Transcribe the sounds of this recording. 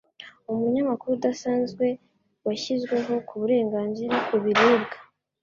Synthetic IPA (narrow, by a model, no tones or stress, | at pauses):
umuɲamakuɾudasaːnzɡwe̞ | waçizɡwe̞ɦo̞kʰuβuɾe̞ːŋɡaːnziɾakuβiɾeːbɡḁ